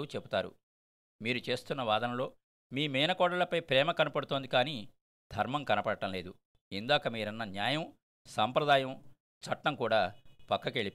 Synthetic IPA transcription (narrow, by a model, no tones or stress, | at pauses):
uːt͡ʃepu̥t̪aːɾṵ | miːɾut͡ʃe̞ːst̪unːɐʋaːd̪ɐnɐmlo̞ː | miːmɛːnɐkɔːɽɐlɐpɐjpɾɛːmɐkɐnɐpɐɽut̪o̞ːnd̪ikaːniː | d̪̥ʱɐɾmɐmkɐnɐpɐɽɐʈɐmle̞ːd̪u | ind̪aːkɐmiːɾɐnːɐnjaːjɐm | sɐmpɾɐd̪aːjɐm | t͡ʃɐʈːɐmkuːɽaːpɐkːɐkeɭi